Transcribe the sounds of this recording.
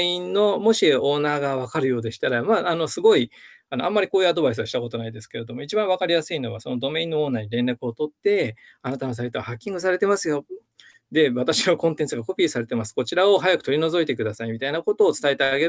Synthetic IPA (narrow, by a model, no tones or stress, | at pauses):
ĩnnːo̞mo̞ɕio̞ːnaːɡaβakaɾɯ̟jo̞ːd̪e̞ɕi̥t̪aɾamaːno̞sɨɡo̞i | ano̞ãmːaɾʲikoːjɯ̟ad̪o̞bais̬ɨβaɕi̥t̪ako̞t̪o̞naid̪e̞sɨ̥ke̞ɾe̞d̪o̞mo̞it͡ɕibãβakaɾʲijasɨino̞βaso̞no̞d̪o̞me̞ĩnːooːnaːɲ̟iɾẽ̞nɾakɯ̟o̞t̪o̞t̪ːe̞ | anat̪ano̞s̬ait̪o̞βahakʲːĩŋɡɯs̬aɾe̞t̪e̞masɨjo̞ | d̪e̞βat̪aɕinokõ̞nt̪ent͡sɨɡako̞pʲiːsaɾe̞t̪e̞masɨ̥ko̞t͡ɕiɾao̞ɦajakɯ̟̥t̪o̞ɾʲino̞zo̞it̪e̞kɯ̟d̪asaimʲit̪ainako̞t̪o̞ːt͡sɨ̥t̪aet̪eɡe̞